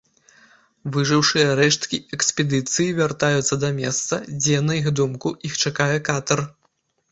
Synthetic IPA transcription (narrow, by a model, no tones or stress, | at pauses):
vɨʐɨwʂɨjɐɾɛʂt̪kʲiɛksʲpʲɛd̪ɨt̪sɨjivʲart̪ajut̪sːɐd̪ɐmʲɛst̪sɐd͡zʲɛnɐixd̪umkuʔixt͡ʂakajɛkat̪ɐr